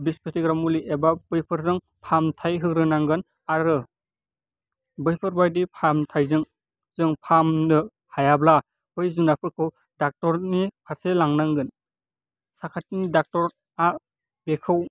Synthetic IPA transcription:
bispʰetiɡɾamuliʔebabɯjpʰɯɾzɯŋ | pʰamtʰajɦɯkɾɯnaŋɡɯn | aɾɯ | bɯjpʰɯɾbajdipʰamtʰajzɯŋ | zɯŋpʰamnɯ | hajabla | bɯjzunapʰɯɾkʰɯw | dak̚tɔɾnipʰaselaŋnaŋɡɯn | sakʰatinidak̚tɔɾ | a | bekʰɯw

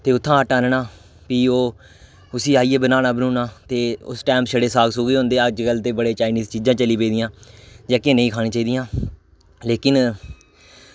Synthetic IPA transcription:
t̪eːʊt̪ʰːãːəʈaːnnaː | piːoː | ʊsiːaːiːeːbənaːnaːbənũːnaːt̪eːʊ̰sʈɛːmʃəɽeːsaːɡsoːɡiːɦʊ̃ːnd̪eːəd͡ʒkəlt̪eːbəɽeːt͡ʃaːɪniːzt͡ʃiːd͡ʒãːt͡ʃəliːpeːd̪ɪjãːd͡ʒaːkẽːnəĩːkʰaːɽĩːt͡ʃaːiːd̪ɪjãː | leːkɪn

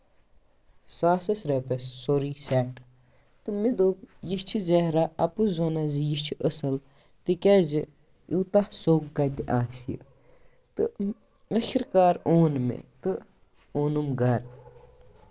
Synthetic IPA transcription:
saːsɐsɾɐpesːoɾisɛʈ | t̪ɨmid̪oːkjiʃt͡ʃʰizɛɾaɐpuzoːnɐzijiʃt͡ʃʰiʔəsɐl | t̪ikɛzi | it̪ahsokːɐd̪iʔaːsiə̰ | t̪ɨ | əxiɾkaːɾoːnmḛt̪ɨ | oːnumɡɐɾ

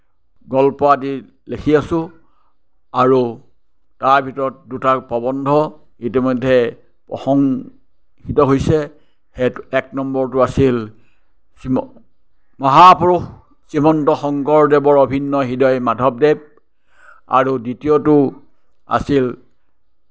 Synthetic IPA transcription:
ɡɔlpɔadi | lekʰiasʊ̃ | aɹu | taɹbʱitɔɹɔt̚dutapɔbɔndʱɔ | itimɔjdʱːɛ | pɔ̰xɔŋ | hitɔɦojsɛ | heɛk̚nɔmbɔɹtʊasil | sim | mɔɦapɹux | simɔntɔxɔŋkɔɹdɛbɔɹobʱinːɔɦidɔjmadʱɔp̚dɛb̚ | a̰ɹuditiɔtʊ | a̰sil

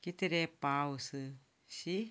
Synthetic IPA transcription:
kit̪eɾepausɨ | si

